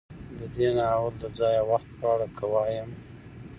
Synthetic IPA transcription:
d̪əd̪enaawəld̪əd͡zɑjawaxt̪̚pɑɽakʰəwɑjəm

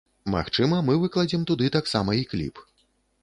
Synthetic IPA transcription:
ma̰xt͡ʂɨmɐmɨvɨklˠɐd͡zʲimt̪ud̪ɨt̪aksamɐiklʲḭp

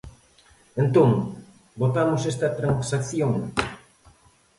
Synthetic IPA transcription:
ẽnt̪õŋ | bot̪amʊsest̪ɐt̪ɾaŋsakθjoŋ

